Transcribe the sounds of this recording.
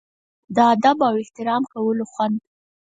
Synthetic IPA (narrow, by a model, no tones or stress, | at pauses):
d̪əad̪abawɪht̪ɪɾɑmkawəloxwand̪